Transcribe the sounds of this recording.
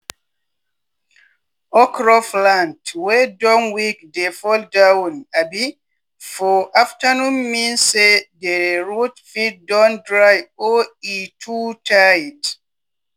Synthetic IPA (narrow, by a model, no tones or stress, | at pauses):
ʔɔkɾɔflantwɛdɔ̃nwikdefɔldawnabi | fɔʔaftanumːinsedɛɹutfit̚dɔ̃ndɹajoitʰutʰajd